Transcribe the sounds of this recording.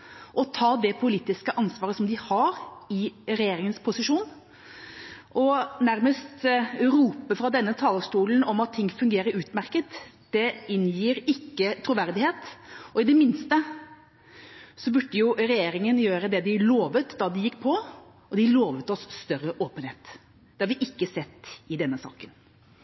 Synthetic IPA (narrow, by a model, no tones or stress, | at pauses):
ʔɔt̪ʰɑːd̪ɛpʰʊliːt̪ɪskəʔɑnsʋɑːɾəsɔmd̪ɪhɑɾɪɾɛjeːɾɪŋənspʰʊsɪʂuːn | ʔɔnæɾməst̪ɾuːpəfɾɑd̪ɛnːət̪ʰɑːləʂʈuːlnɔmɑt̪ʰːɪŋːfʉŋɡeːɾəɾʉːt̪mæɾkət̪ | d̪̥ɛɪnjiːɾɪkːət̪ʰɾʊʋæɾd̪ɪheːt̪ɔɪd̪ɛmɪnst̪ə | sɔbʉɖːəjʊɾɛjeːɾɪŋənjøːɾəd̪ɛd̪ɪloːʋət̪d̪ɑd̪ɪjɪkːpʰɔ | ɔd̪ɪloːʋət̪ɔsːt̪œɾəʔoːpənheːt̪ | d̪̥ɛhɑɾʋɪʔɪkːəsɛt̪ːɪd̪ɛnːəsɑ̰ːkən